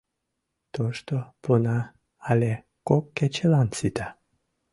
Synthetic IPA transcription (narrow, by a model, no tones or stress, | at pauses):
t̪oʃt̪opunaː | le | kokːet͡ɕelant͡sit̪a